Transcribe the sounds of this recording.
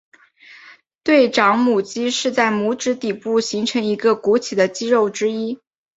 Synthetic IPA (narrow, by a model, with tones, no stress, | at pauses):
t̪we˥˩ɪʈ͡ʂɑ˧˥ŋmu˨˩t͡ɕi˥ʂɻ̩˥˧t͡sa˥˩ɪmu˧˥ʈ͡ʂɻ̩˧˥t̪i˨˩pu˥˩ɕi˧˥ŋʈ͡ʂʰɤ˧˥ŋi˧˥ɡə˧ku˧˥t͡ɕʰi˨˩d̪ə˦t͡ɕi˥ɻo˥˩ʊʈ͡ʂɻ̩˥i˥